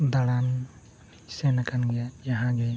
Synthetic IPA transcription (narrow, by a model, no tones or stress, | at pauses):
d̪aɽan | senakanɡajaɦãɡɛ